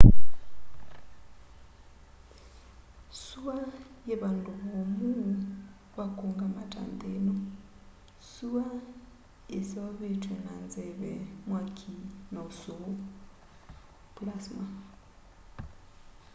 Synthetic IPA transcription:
sua | jeβanduβomu | βakoŋɡama̰ta̰nd̪enɔ | sua | esawaβetwɛnanzɛβɛmwakʰinausuo | pulasma

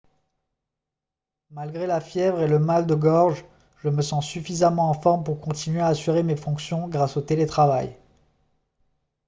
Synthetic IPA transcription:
malɡʁelafjɛvʁeləmald̪əɡɔʁʒ | ʒəməsɑ̃syfizamɑ̃ːfɔʁmpuʁkɔ̃t̪inɥeaːsyʁemefɔ̃ksjɔ̃ɡʁasot̪elet̪χavaj

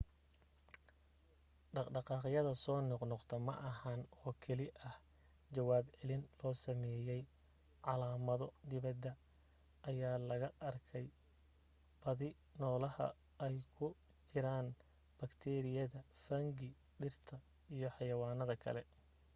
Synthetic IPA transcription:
ɖɑɖɑqɑːqjɐðɐsɔːnɔqnɔqt̪ʰɐmɐʔɐɦanɔːkʰɛlɪʔɐh | t͡ʃɐwaːbʕɛlɪnlɔːsɐmɛːjɛj | ʕɑlaːmɐðɔd̪ɪβɐd̪ɐ | ʔːjaːlɐɣɐʔɐrkʰɛj | b̥ɐðɪ | nɔːlɐhɐ̰ | ɛjkʰʊ | t͡ʃɪɾaːn | b̥ɐkt̪ʰɛːɾɪjɐðɐfɐŋɡɪ | ɖɪrt̪ʰɐ | ijɞħɑjɐwaːnɐðɐkʰɐ̰lɛ

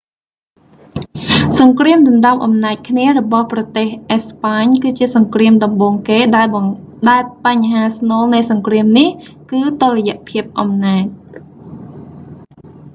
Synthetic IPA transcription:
sɑŋkriəmɗɑmɗɑp̚ʔɑmnaːc̚kʰniərɔɓɑhprɑt̪eːhʔespaːɲkɨːt͡ɕiəsɑŋkriəmɗɑmɓoːŋkeːɗaɛl | ɗaɛlpaɲɦaːsnoːlnɨjsɑŋkriəmnih | kɨːt̪orɛjɛ̆ʔpʰiəp̚ʔɑmnaːc̚

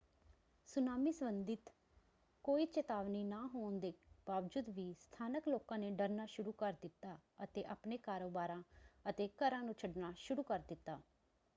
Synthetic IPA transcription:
sʊnaːmiːsəbənd̪ɪt̪ | koːiːt͡ʃət̪aːʋniːnaːɦoːnd̪eːb̥aːʋd͡ʒʊd̪ʋiːst̪ʰaːnəkloːkãːneːɖəɾnaːʃʊɾuːkəɾd̪ɪt̪ːaːət̪eːʔapneːkaːɾoːbaːɾãːət̪eːkəɾãːnũːt͡ʃʰəɖnaːʃʊɾuːkəɾd̪ɪt̪ːaː

